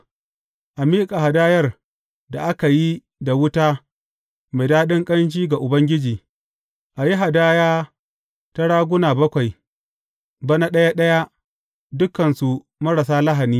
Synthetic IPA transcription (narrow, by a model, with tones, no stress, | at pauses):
ʔa˨miː˦kʼa˨ha˨daː˦jɐ˦r | da˨ʔa˦ka˨ji˦ | da˨wʊ˦taː˦ | ma˨jdaː˦ɗɪ˦ŋkʼɐ˦nt͡ʃiː˦ɡa˨ʔʊ˨bɐ˦ŋɡʲɪ˦d͡ʒiː˨ | ʔa˨ji˦ɦa˨daː˦jaː˦ | ta˦ɽaː˦ɡʷʊ˦naː˨bɐ˦kʷa˨j | ba˦na˦ɗɐ˦ja˦ɗɐ˦ja˦ | dʊ˦kːɐ˨nsu˨ | mɐ˦ɽa˨saː˦la˦ɦa˨niː˦